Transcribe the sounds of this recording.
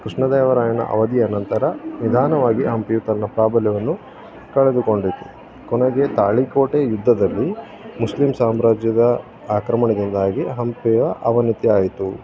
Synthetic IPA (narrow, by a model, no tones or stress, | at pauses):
kɾiʂɳɐd̪ɛːʋɐɾaːjɐnɐ̰ʔɐ̰ʋɐd̪iɐːnɐnt̪ɐɾɐnid̪ʱaːnɐʋaːɡiɦɐmpiʋɐt̪ɐnːɐpɾaːbɐljɐʋɐnːu | kɐɭed̪uko̞ɳɖit̪u | kɔnɐɡet̪aːɭikoːʈejud̪ʱːɐd̪ɐlːi | muslimsaːmɾaːd͡ʒjɐd̪ɐ | aːkɾɐmɐɳɐd̪ind̪aːɡiɦɐmpɛɐʔɐʋɐnit̪iaːjit̪u